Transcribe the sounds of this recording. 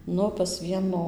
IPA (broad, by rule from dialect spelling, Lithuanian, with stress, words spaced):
ˈnʊ pɐs ˈʋʲiɛnoː